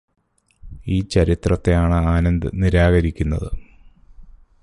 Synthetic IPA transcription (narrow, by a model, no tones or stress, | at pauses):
iːt͡ɕɐɾit̪rɐt̪ːejaːɳɨaːnɐnd̪ɨ̰niɾaːɣɐɾikʲːunːɐðɨ